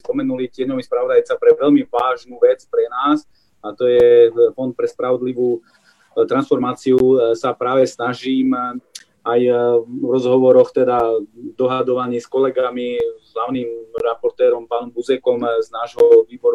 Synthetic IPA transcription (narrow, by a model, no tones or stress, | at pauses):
spɔmɛnulicɪɛɲɔʋispɾaʋɔd̪ajt͡sapɾɛʋɛlmiʋaːʒnuːʋɛt͡spɾɛnaːs | at̪ɔjɛfɔnt̪̚pɾɛspɾaʋɔd̪liʋuː | t̪ɾansfɔɾmaːt͡siusapɾaːʋɛsnaʒiːm | ʔajvɾɔzɦɔʋɔɾɔxt̪ɛd̪ad̪ɔɦad̪ɔʋaɲiːskɔlɛɡamizɦlaʊnimɾapɔɾt̪ɛːɾɔmpaːnɔmbuzɛkɔmznaːʒɦɔʋiːbɔɾu